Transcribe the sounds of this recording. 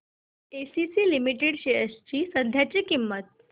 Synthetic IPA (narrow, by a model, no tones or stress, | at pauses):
esisiːlimiʈeɽɕejəst͡ɕiːsənd̪ʱjat͡ɕiːkimːət̪̚